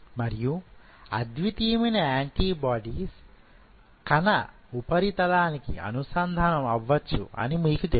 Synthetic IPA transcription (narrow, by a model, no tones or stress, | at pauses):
mɐɾiju | ɐ̰d̪ʋit̪ijmɐnɐaːɳʈiːbaːɖiːs | kɐnɐ | upɐɾit̪ɐd̪aːnikiɐ̰nusɐnd̪ʱɐnɐmɐʋːɐt͡ʃːṵɐ̰nimiːkut̪e